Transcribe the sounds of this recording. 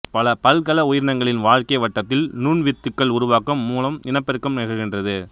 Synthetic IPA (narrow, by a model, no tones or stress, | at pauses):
pɐlɐpɐlkɐlɐʊjɪɾɳɐŋɡɐɭɪnʋaːɻkɐɪʋɐʈːɐt̪ːɪlnuːɳʋɪt̪ːɯkːɐɭʊɾʊʋaːkɐmːuːlɐmɪnɐpːɛɾɯkːɐmnɐɣɐɾɣɪndrɐðɯ